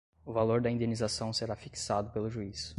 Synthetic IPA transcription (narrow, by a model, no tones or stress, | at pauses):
ʊvaloɾd̪ɐĩd̪enizasɐ̃w̃seɾafiksad̪ʊpelʊʒuis